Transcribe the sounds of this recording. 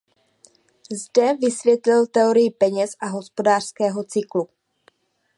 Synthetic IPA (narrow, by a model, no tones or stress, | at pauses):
zdɛvɪsvjɛt̪lɪlt̪ɛo̞ɾɪjɪpɛɲɛsʔaɦo̞spo̞daːr̝̥skɛːɦo̞t͡sɪklu